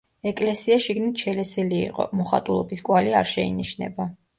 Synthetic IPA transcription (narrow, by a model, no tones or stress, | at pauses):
ɛkʼlɛsiaʃiɡnit̪ʰʃɛlɛsɛlḭːqʼɔ̰mɔχa̰t̪ʼulˠɔbiskʼwalia̰ɾʃɛḭniʃnɛ̰ba